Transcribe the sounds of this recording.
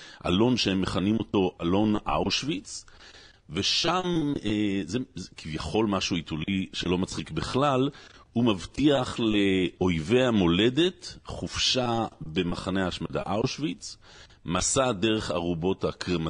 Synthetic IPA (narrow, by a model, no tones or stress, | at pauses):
ʔa̰lo̞nʃehemːe̞χanimo̞to̞ʔalo̞nʔa̰uʃvit͡s | ve̞ʃamezezkʰivjaχo̞lmaʃuituliʃelo̞mat͡sχikbeχlalumavtiaχleo̞jve̞amo̞le̞de̞tχufʃabe̞maχaneaːʃmada̰ʔauʃvit͡s | masade̞ʁe̞χa̰ʁubo̞thakʁema